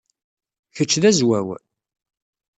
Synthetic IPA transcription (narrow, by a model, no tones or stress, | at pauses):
çət͡ʃːðæzwæw